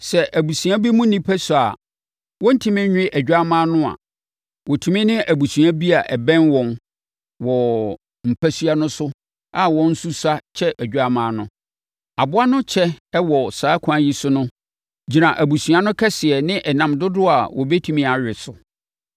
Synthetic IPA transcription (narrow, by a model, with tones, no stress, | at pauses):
sɛ˨ʔæ˨bu˨sũ˨a˦bi˦mʊ̃˦n˦nĩ˦pʰæ˦su˨a˨ | wɔ̃˦n̩˦tʰi˦mɪ̃˦ɲᶣ˦ɪ̃˦ʔæ˨d͡ʑᶣa˦mãː˦nʊ̃˦a̰˨ | wɔ˨tʰu˨mɪ̃˦nɪ̃˦ʔæ˨bu˨sũ˨a˦bi˦a˨ʔɛ˨bɛ̃˦nwɔ̃˨n | wɔ˨ | m̩˨pʰæ˦sɥa˦nʊ̃˦sʊ˦ | a˦wɔ̃˦n̩˦su˦sa˦t͡ɕʰɛ˦ʔæ˨ɟᶣa˦mãː˦nʊ̃˦ | a˨bʊ˦a˦nʊ̃˦t͡ɕʰɛ˦ɛ˦wɔ˨saː˨˦kʷʰã˨˦ji˦sʊ˦nʊ̃˦ | d͡ʑi˨nã˨ʔæ˨bu˨su˨a˦nʊ̃˦kʰɛ˦sɪ˨ɛ˨nɪ̃˦ʔɛ˨nã˨mdʊ˦dʊ˦a˨wʔɔ̰˨bɛ˦tʰũ˨mĩ˨˦a˨ɥᶣɪ˨sʊ˨